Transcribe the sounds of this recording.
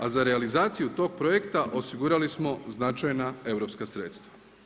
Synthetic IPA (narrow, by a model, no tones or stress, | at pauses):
azaɾealizaːt̪sijut̪o̞ːɡ̚pɾojekt̪aʔo̞siɡuɾalismo̞znat͡ʃajnae̞ʋɾo̞pskasɾe̞ːt̪st̪ʋa